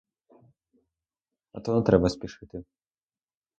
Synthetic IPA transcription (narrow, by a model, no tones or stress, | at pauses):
ɐ̰t̪ɔnɔt̪ɾɛbɐsʲpʲiʂɨt̪ɨ